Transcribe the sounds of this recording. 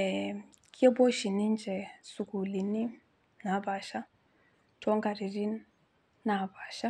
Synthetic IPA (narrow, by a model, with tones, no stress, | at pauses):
ɛ | kʰi˦ɛ˦bɔ˦ʃi˨ni˦nd͡ʒɛ˨su˨ku˨li˨ni˦ | na˨˦βa˨ʃa˦ | tɔ˦ŋɡa˨ɾi˨ri˦ | na˨βa˨ʃa˦